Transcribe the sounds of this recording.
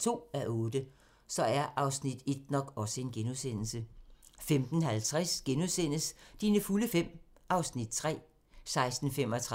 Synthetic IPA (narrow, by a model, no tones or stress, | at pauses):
t͡sʰo̝̰ːæʔɔːd̥ə | sɒ̽æɐʔɑ̈ʊsnid̥e̝d̥̚nɒ̽ɡ̥ɒ̽səe̝nɡ̥enuðˠsen̰l̩səfemd̥n̩hælt͡sʰʁɛsɡ̥enuðˠsen̰əsd̥iːnəfuləfem̰ | ʔɑ̈ʊsnid̥̚t͡sʰʁɛ̰ː | sɑ̈ɪsd̥n̩fem̰ɒ̽t͡sʰʁ